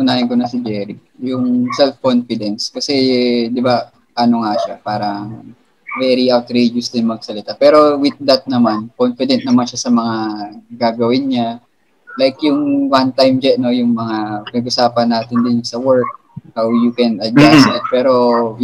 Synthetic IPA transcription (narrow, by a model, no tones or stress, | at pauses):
ʊnaːjɐnkonɐsɪd͡ʒɛɾi | jʊŋsɛlfkonfɪd̪ɛnskɐsɛd̪ɪba | ʔɐno̞ŋaʃapaːɾɐŋ | vɛɾiʔawt̪ɾed͡ʒʊsd̪ɪnmɐɡ̚sɐlɪt̪apɛːɾo̞wɪt̪̚d̪ɐt̪̚nɐmankonfɪd̪ɛnt̪̚nɐmanʃasɐmɐŋaɡaːɡɐwɪnɲa | lajkjʊŋwant̪ajmd͡ʒɛno̞jʊŋmɐŋapɪnɐɡ̚ʔʊsaːpɐnːaːt̪ɪnd̪ɪnsɐwɛɹk̚ | hawjukɛnɐd̪̚ɡasɛt̪̚pɛːɾo̞